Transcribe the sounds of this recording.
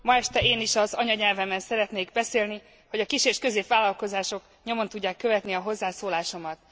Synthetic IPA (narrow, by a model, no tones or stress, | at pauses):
mɒɛʃt̪ɛeːniʃɒzɒɲɒɲɛlvɛmːɛnsɛɾɛt̪neːɡbɛseːlni | ho̞ɟɒkiʃeːʃkø̞zeːpʋaːlɒlko̞zaːʃo̞k | ɲo̞mo̞nt̪uɟːaːkːø̞vɛt̪niɒɦo̞zːaːsoːlaːʃo̞mɒt̪